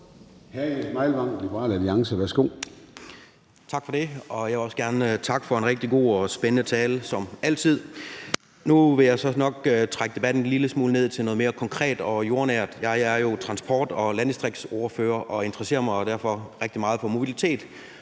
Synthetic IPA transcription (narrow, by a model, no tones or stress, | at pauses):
hæɐdmɑ̈ɪlʋɑ̈ŋ̰̥lib̥əʁɑ̰̈ːlæliɑ̈ŋsəʋæɐsɡ̥o̝̰ː | t͡sʰɑ̈ɡ̥fɒ̽de̝ɒ̽jɑʋeɒ̽sɡ̥æɐnt͡sʰɑ̈ɡ̥fɒ̽e̝nʁeɡ̥̚d̥iɡ̥o̝̰ːɒsb̥enənət͡sʰɛːlsɒ̽mæl̰t͡sʰið̞̰ˠ | nuʋe̝jɑ̈ɪsɒ̽nɒ̽ɡ̥øt͡sʰʁaɡ̥əd̥e̝b̥æd̥n̩liləsmuːləne̝ð̰ˠt͡sʰe̝lno̽ːðˠme̝ːɐkʰɒ̽ŋkʰʁɛ̰ːd̥ɒ̽jo̝ɐnæɐ̰d̥jɑɪæɐjo̝t͡sʰʁɑ̈nsb̥ɒ̰ːd̥ɒ̽lænisd̥ʁiɡ̥soɐføːɐʔɒ̽e̝nd̥ʁɐse̝̰ːɐmɑ̈ɪɒd̥æɐ̰fɒ̽ʁɛɡ̥̚d̥imɑ̈ːð̞̩ˠfɒ̽mo̝b̥ilit͡sʰḛːd̥